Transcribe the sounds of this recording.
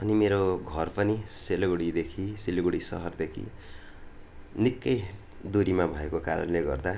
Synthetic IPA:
ʌnimeɾoɡʱʌrpʌniseloɡuɽid̪ekʰiselɡuɽisʌ̰ɦʌrd̪ekʰḭ | nikːʌj | d̪uɾimabʱʌekokaɾʌ̰nleɡʌ̰rd̪a

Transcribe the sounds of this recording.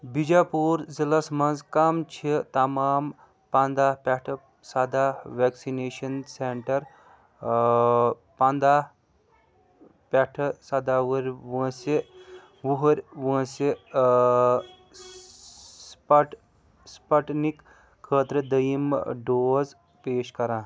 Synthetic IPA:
bid͡ʒaːpuːɾzilɐsmɐnzkɐmt͡ʃʰit̪ɐmaːm | pand̪aːpaʈʰɐ | sad̪aːʋeːksineːʃɐnseɳʈɐɾ | pand̪aː | pɐʈʰsɐd̪aːʋuɾʲʋə̃ːsi | ʋuɦɾʲʋə̃ːsi | spɐʈ | spɐʈnikʰː | əːt̪ɾəd̪əjimɖoːz | peːʃkɐɾãː

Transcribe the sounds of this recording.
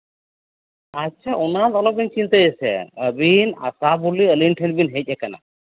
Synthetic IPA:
atːʃʰaunat̪ɔlɔk̚bint͡ʃint̪əjesɛ̰əbina̰sabuliəlinʈʰənbinɦet̪̚ʲɛkana̰

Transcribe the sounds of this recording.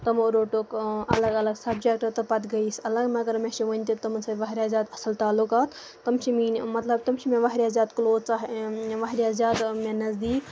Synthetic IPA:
t̪ɐmoɾoːʈokɐ̰lɐɡɐlɐɡsɐbd͡ʒek̚ʈɐt̪ɐpɐt̪ɡɐisɐlɐɡmeɐɡɐɾmẽʃiʋɐnʲt̪it̪ɐmsʰɐʋɐɦɾʲaːzʲaːd̪ɐsɐlt̪aːlukaːt̪ː | ɐmt͡ʃʰiminʲmɐt̪lɐbt̪ɐmt͡ʃʰimẽʋɐɦɾaːzʲaːt̪kloːt͡saɦʋɐɦɾazʲaːd̪mẽnɐzd̪iːk

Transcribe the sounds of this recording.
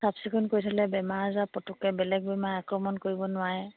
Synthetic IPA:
sapsikʰunkojtʰalɛbɛmaɹzapɔtʊkɛbɛlɛɡ̚bɛmaɹakɹɔmɔnkoɹibɔnʊwaɦɛ

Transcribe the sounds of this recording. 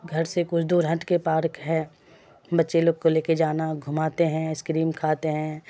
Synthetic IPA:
ɡʱɐɾsekʊt͡ʃʰd̪uːɾɦɐ̃ɳʈkepaːɾkɦɛ̃ː | bɐtːʃeloːɡ̚koleːked͡ʒaːnaɡʱʊmaːt̪eɦɛ̃ɪskɾiːmkʰaːt̪eɦɛ̃ː

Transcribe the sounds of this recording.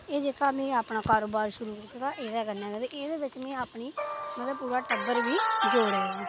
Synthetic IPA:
eːd͡ʒeːkaːmẽːaːpɳaːkaːɾoːbaːɾʃʊɾuːkit̪aːt̪aːʔeːd̪ɛːɡənːɛ̃ːɡɛːd̪eʔeːd̪eːbɪt͡ʃmɛ̃ːaːpɳiːmət̪ləb̚puːɾaːʈəbəɾʋiːd͡ʒoːɽɛːĩː

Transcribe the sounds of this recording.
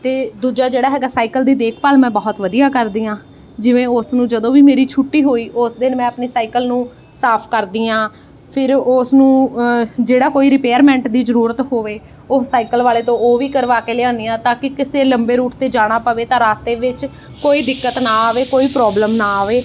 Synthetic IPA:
t̪eːd̪uːd͡ʒaːd͡ʒeːɽaːɦɛːɡaːsaːikəld̪iːd̪eːkʰpəlmɛ̃ːbɔːt̪ʋəd̪ijaːkəɾd̪iːãː | d͡ʒɪʋẽːʊsnũːd͡ʒəd̪õːʋiːmeːɾiːt͡ʃʰʊʈːiːɦoːiːʔʊsd̪ɪnmɛ̃ːəpniːsaːikəlnũː | saːpʰkəɾd̪iːãː | pʰɪɾʊsnũː | d͡ʒeːɽaːkoːiːɾɪpeːəɾmɛ̃ːɳʈd̪iːzəɾuːɾət̪ɦoːʋeː | osaːikəlʋaːleːt̪õːoːʋiːkəɾʋaːkeːleãːnd̪ijãːt̪ãːkɪkɪseːləmbeːɾuːʈt̪eːd͡ʒaːɽ̃aːpəʋeːt̪ãːɾaːst̪eːʋɪt͡ʃ | koːiːd̪ɪkːət̪nãːaːʋeːkoːiːpɾɔːbləmnaːʋeː

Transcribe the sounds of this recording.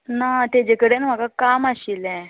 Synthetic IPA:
nat̪ed͡ʑekəɽenm̤aɡakamaɕilɛ̃

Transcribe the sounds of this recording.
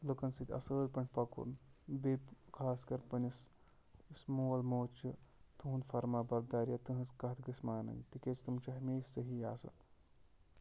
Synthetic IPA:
lɨkɐnsɨt̪ʲɐ̰səːlʲpɐnʲt̪ʰʲpɐkṵɾnbepkʰaːskɐɾpɐnʲis | smoːlmoːt͡ʃʰɨt̪uɦunfɐɾmaːbɐɾd̪aːɾjat̪ɨɦɐskɐt̪ʰɡɨsmaːnɐ̰nt̪ikʲet͡ʃʰt̪umt͡ʃʰɐɦɐmʲeːssɐɦijaːsɨ̰

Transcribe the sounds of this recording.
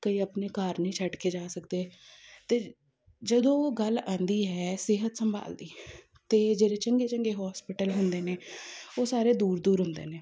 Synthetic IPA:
kəiːəpneːkaːɾnĩːt͡ʃʰəʈkʰeːd͡ʒaːsəkd̪eːt̪eː | d͡ʒəd̪õːɡəlãːnd̪iːɦɛːsɪɦət̪səmbʱa̰ːld̪iː | t̪eːd͡ʒeːɾeːt͡ʃəŋɡeːt͡ʃəŋɡeːɦɔːspɪʈəlɦʊnd̪eːneːoːsaːɾeːd̪uːɾd̪uːɾɦʊnd̪ḛːneː

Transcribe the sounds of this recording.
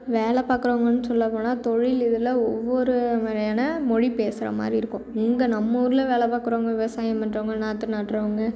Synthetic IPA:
ʋeːɭɐpaːkːɯɾoːŋɡɐnːɯsɔlːɐpoːnaːt̪ɔɻɪlɪðɯlɐɔʋːɔɾɯmeːɾɐjaːnɐmɔɻipeːsɪɾɐ̰ma̰ːd̪ɾiɪɾɯkːʊ̃ɪŋɡɐnɐmːuɾɯlɐʋeːlɐpaːkːɯɾoːŋɡɐʋɪʋɐsaːjɐmɐnɖɾoːŋɡɐnaːt̪ːɯnaːʈːɾɐːɐŋɡɐ

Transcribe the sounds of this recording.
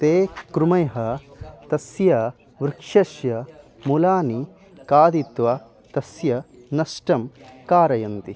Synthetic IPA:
t̪eːkɾumɐjɦɐt̪ɐsjɐ | ʋɾɪkʂɐʃjɐ | mulaːni | kaːd̪it̪ʋɐ | t̪ɐsjɐ | nɐsʈɐmkaːɾɐjɐnt̪i

